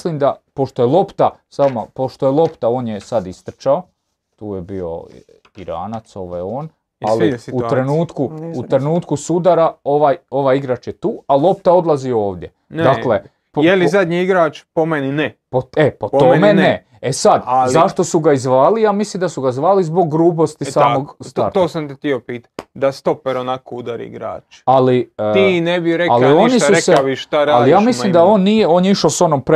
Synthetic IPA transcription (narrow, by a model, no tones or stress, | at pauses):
limd̪apo̞ʃt̪ojelˠo̞pt̪asama̰po̞ʃt̪ojelˠo̞pt̪ao̞ːnjesad̪ist̪ɾ̩t͡ʃao | t̪uːjebio̞̰ | iɾa̰ːnat̪so̞ʋo̰joːn | aliutt̪ɾe̞nuːt̪kuut̪ɾe̞nuːt̪kusud̪aɾao̞ʋajo̞ʋaːjiɡɾat͡ʃjet̪uːalˠo̞p̚t̪ao̞d̪lˠazio̞ːʋd̪ʲje̞ | nd̪akle | pjelizad̪ɲiiɡɾaːt͡ʃpomeninepoepo̞t̪omene | esad̪zaʃt̪o̞suɡaizʋaːlijaːmislimd̪asuɡaizʋaːlizbo̞ɡːɾuːpo̞st̪isaːmo̞ɡst̪aɾt̪oːsamt̪et̪iopiːt̪ḁd̪ast̪opeɾonakoud̪aɾḭḭɡɾa̰ːt͡ʃaliinebijɾealionʃisuseiʃt̪aɾaalijaːmislimd̪ao̞ːnːijeo̞ːnjeiʃoso̞nompɾ